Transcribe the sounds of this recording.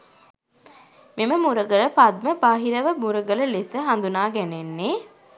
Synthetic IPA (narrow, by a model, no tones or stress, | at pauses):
meməmuɾəɡələpad̪̚məbaːɦiɾəʋəmuɾəɡələlesəɦand̪unaːɡænenːe